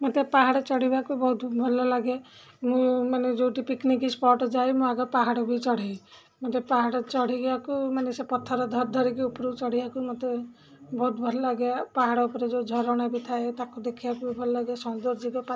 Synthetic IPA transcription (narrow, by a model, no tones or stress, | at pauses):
mɔt̪epaɦaɽɔt͡ʃɔɽibakubɔɦut̪bʱɔlɔlaɡe | mũmaned͡ʒowʈipiknikispɔɾʈd͡ʒajmũaɡɔpaɦaɽɔbʱit͡ʃɔɽ̤aj | mɔt̪epaɦaɽɔt͡ʃɔɽ̤iɡakumanesepɔt̪ʰːɔɾɔd̪ʱɔɾd̪ʱɔɾikiupɾut͡ʃɔɽ̤ibakumɔt̪e | bɔɦut̪bʱɔlɔlaɡjapaɦaɽɔupɔɾed͡ʒod͡ʒʱɔɾɔɽ̃abit̪ʰaet̪akud̪ekʰibakubibʱɔlɔlaɡjasɔnd̪od͡ʒibapa